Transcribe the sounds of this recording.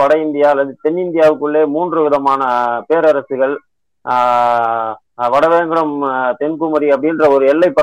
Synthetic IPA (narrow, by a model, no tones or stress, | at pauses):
ʋɐɽɐɪnd̪ɪjaːɐlːɐðɯt̪ɛnːɪnd̪ɪjaːʋɯkːɯɭːeːmuːndrɯʋɪðɐmaːnɐpeːɾɐɾɐsɯɣɐɭ | ʋɐɽɐʋeːŋɡɐɾɐmt̪ɛnkɯmɐɾiɐp̬ːɐɽɪnrɐɔɾɯɛlːɐɪpːɐ